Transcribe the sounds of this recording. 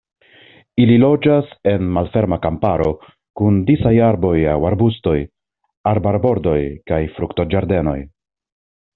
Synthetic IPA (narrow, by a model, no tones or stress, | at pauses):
ililo̞d͡ʒase̞nmalfe̞ɾmakampaɾo̞ | kundisajaɾbo̞jawaɾbusto̞j | aɾbaɾbo̞ɾdo̞jkajfɾukto̞d͡ʒaɾde̞no̞̰j